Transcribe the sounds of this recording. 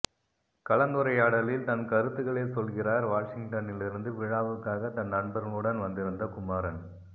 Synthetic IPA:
kɐɭɐnd̪ɯɾɐjaːɽɐlɪlt̪ɐnkɐɾɯt̪ːɯɣɐɭeːsɔlɣɪraːɾʋaːʂɪŋɡʈɐnɪlɪɾɯnd̪ɯʋɪɻaːʋɯkːaːɣɐt̪ɐnnɐɳbɐɾɐmɯɽɐnʋɐnd̪ɪɾɯnd̪ɐkʊmaːɾɐn

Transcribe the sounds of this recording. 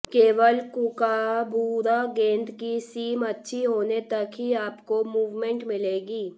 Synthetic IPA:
keːʋəlkʊkabuːɾaɡẽːnd̪kisiːmɐtːʃʰiɦoːnet̪əkɦiaːpkomuːʋmẽɳʈmɪleːɡiː

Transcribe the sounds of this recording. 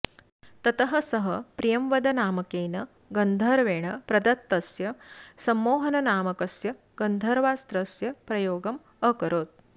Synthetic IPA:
t̪ɐt̪ɐɦɐsɐɦɐpɾijɐmʋɐd̪ɐnaːmɐkeːnɐ | ɡɐnd̪ʱɐɾʋeːɳɐpɾɐd̪ɐt̪ːɐsjɐsɐmːoːɦɐnɐnaːmɐkɐsjɐ | ɡ̥ɐnd̪ʱɐɾʋaːst̪ɾɐsjɐpɾɐjoːɡɐm | ɐkɐɾoːt̪̚

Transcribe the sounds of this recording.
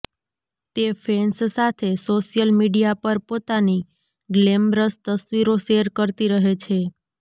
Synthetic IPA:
t̪efʰenssat̪ʰesoʃijəlmiɖijapəɾpot̪ani | ɡlemɾəst̪əsʋiɾoʃeəɾkəɾt̪iɾəɦet͡ʃʰe

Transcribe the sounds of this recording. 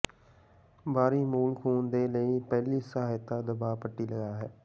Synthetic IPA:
baːɾiːmuːlkʰuːnd̪eːləiːpɛːliːsəɦaːjt̪ːaːd̪əbaːpəʈːiːləɡaːɦɛː

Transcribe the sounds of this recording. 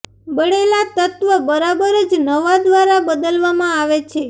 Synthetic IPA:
bəɽelat̪ət̪ʋəbəɾabəɾəd͡ʒnəʋad̪ʋaɾabəd̪əlʋamãaʋet͡ʃʰe

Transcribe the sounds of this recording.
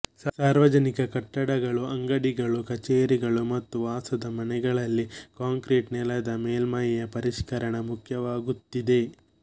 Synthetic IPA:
ssaːɾʋɐd͡ʒɐnikɐkɐʈːɐɽɐɡɐɭuɐŋɡɐɽiɡɐɭukɐt͡ʃeːɾiɡɐɭumɐt̪ːuʋaːsɐd̪ɐmɐnɛɡɐɭɐlːikaːŋkɾiːʈnɛlɐd̪ɐmeːlmajɐjɐpɐɾiʃkɐɾɐɳɐmukʰjɐʋaːɡut̪ːid̪e̞

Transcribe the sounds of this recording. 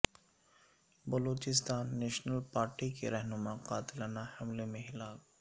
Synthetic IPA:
bɐloːt͡ʃɪst̪aːnːeːʃnəlpaːɾʈikḛɾɛɦnʊmaqaːt̪ɪlənahɐmlemẽɦɪlaːk

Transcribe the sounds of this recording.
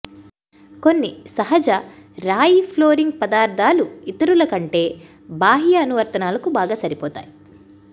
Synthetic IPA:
ko̞nːisɐɦɐd͡ʒɐɾaːjipʰloːɾiŋɡ̚pɐd̪aːɾd̪ʱaːluit̪ɐɾulɐkɐɳʈe̞ː | baːɦijɐːnuʋɐɾt̪ɐnaːlɐkubaːɡaːsɐɾipɔːt̪a̰ːji

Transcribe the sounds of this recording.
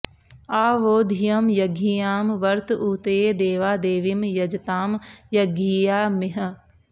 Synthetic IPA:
aːʋoːd̪ʱijɐmjɐɡʱijaːmʋɐɾt̪uːt̪eːd̪eːʋaːd̪eːʋimjɐd͡ʒt̪aːmjɐɡijaːmɪɦə̆

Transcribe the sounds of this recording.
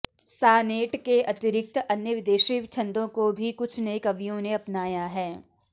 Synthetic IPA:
saːneːʈkeʔɐt̪ɪɾɪk̚t̪ɐnjəʋɪd̪eːʃiʋt͡ʃʰɐ̃nd̪õkobʱikʊt͡ʃʰnɐikɐʋijõneɐpnaːjaɦɛː

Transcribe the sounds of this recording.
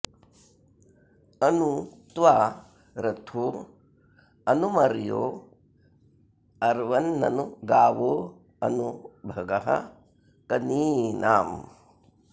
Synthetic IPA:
ɐnut̪ʋaː | ɾɐt̪ʰoː | ɐnumɐɾjo̰ː | ɐɾʋɐnːɐ̰nuɡaːʋoː | ɐnubʱɐɡɐɦɐ̰ | kɐniːnʔaːm

